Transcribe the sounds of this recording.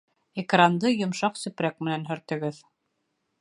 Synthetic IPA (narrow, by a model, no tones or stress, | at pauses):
ekrand̪ɤjŏmʃɑqsɵ̆pɾæk̚mɘ̆nænɦɵ̆ɾt̪ɘ̆ɡɘð